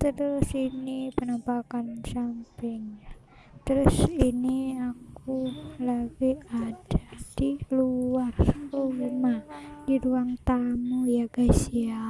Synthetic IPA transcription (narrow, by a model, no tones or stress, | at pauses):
t̪əɾɾʊsinipənampakansampɪŋja | t̪əɾʊsiniakulaɡiad̥ad̥iluarrumahdiɾuaŋt̪amujaɡasia